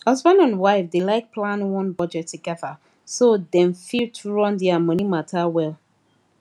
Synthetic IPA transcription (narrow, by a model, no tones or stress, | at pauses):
hʌzbãnãnwaɪfdelaɪk̚pʰlãnwɔ̃nbɔd͡ʒɛtʰːuɡɛða | sodɛ̃nfitʰuɹɔ̃ndiamʌnimatʰawɛlˠ